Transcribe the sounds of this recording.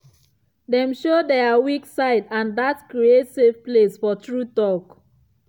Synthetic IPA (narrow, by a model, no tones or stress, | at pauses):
dɛ̃mʃodɛawiksaɪdãndatkɹietsevplesfɔtɹutɔk